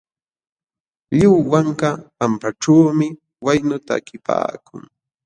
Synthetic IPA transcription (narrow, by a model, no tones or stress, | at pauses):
ʎɪwwaŋkapampaʈ͡ʂaːmɪ | wajnʊt̪aːkɪpa̰ːkʊ̰ŋ